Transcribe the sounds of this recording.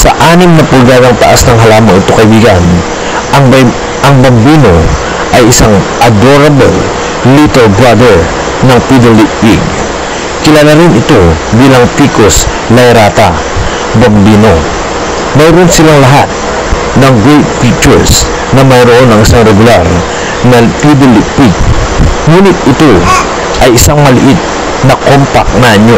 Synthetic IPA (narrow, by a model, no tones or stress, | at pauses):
sɐ̰ʔaːnɪmnɐpʊlɡ̪ad̪ɐŋt̪ɐʔasnɐŋɦɐlaːmɐŋɪt̪okɐʔɪbiːɡɐn | ɐŋ | ɐŋbɐmbiːno | ʔɐjɪsaŋʔɐd̪oɾɐbɛl | lit̪ɛlbɾad̪ɛɹ | nɐŋpid̪ɛliwiɡ̚ | kɪlaːlaɾɪnɪt̪o̞biːlɐŋt̪iːkos | lɐjɾat̪a | bɐmbiːno | majɾonsɪlaŋlɐɦat̪̚ | nɐŋɡɾejt̪̚fit͡ʃɛɹs | nɐmɐŋaɾoʔo̞nɐŋɪsaŋɾɛɡʊlaɾ | nɐt̪id̪olɪʔpiɡ̚ŋuːnɪt̪̚ɪt̪o | ʔɐjɪsaŋmɐlɪʔit̪̚ | nɐkompa̰k̚nɐʔɐɲo